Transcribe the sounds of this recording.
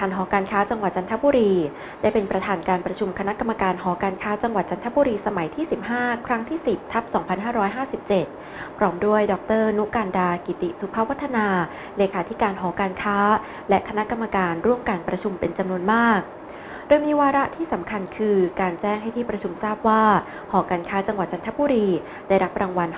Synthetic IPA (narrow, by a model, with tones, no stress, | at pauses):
k̪ʰaː˨˩nɦɔː˩˦kaː˧nkʰaː˦˥t͡ɕa˧ŋwa˨˩t̪̚t͡ɕa˧nt̪ʰa˦˥buː˧ɾiː˧ | daː˥˩jpe˧npɾa˧t̪ʰaː˧nkaː˧npɾa˧t͡ɕʰu˧mkʰa˧na˦˥ka˧mːa˧kaː˧nɦɔː˩˦kaː˧nkʰaː˦˥t͡ɕa˧ŋwa˨˩t̪̚t͡ɕa˧nt̪ʰa˦˥buː˧ɾiː˧sa˧ma˩˦jt̪ʰiː˥˩si˨˩p̚haː˥˩kʰɾa˦˥ŋt̪ʰiː˥˩si˨˩p̚t̪ʰa˦˥p̚sɔː˩˦ŋpʰa˧nɦaː˥˩ɾɔː˦˥jɦaː˥˩si˨˩p̚t͡ɕe˨˩t̪̚ | pʰɾɔː˦˥mdu˥˩əjdɔː˨˩k̚t̪ɤː˥˩nu˦˥kaː˧ndaː˧ki˨˩t̪i˨˩ʔsu˨˦pʰa˦˥wa˦˥t̪ʰːa˧naː˧ | leː˧kʰaː˩˦t̪ʰi˦˥kaː˧nɦɔː˩˦kaː˧nkʰaː˦˥ | lɛ˦˥ʔkʰa˧na˦˥ʔka˧mːa˧kaː˧nɾu˥˩əmkaː˧npɾa˧t͡ɕʰu˧mpe˧nt͡ɕa˧mnu˧ənmaː˥˩k̚ | doː˧jmiː˧waː˧ɾa˦˥ʔt̪ʰiː˥˩sa˩˦mkʰa˧nkʰɯː˧kaː˧nt͡ɕɛː˥˩ŋɦa˥˩jt̪ʰiː˥˩pɾa˧t͡ɕʰu˧msaː˥˩p̚waː˥˩ | hɔː˩˦kaː˧nkʰaː˦˥t͡ɕa˧ŋwa˨˩t̪̚t͡ɕa˧nt̪ʰa˦˥buː˧ɾiː˧ | daː˥˩jɾa˦˥p̚ɾaː˧ŋwa˧n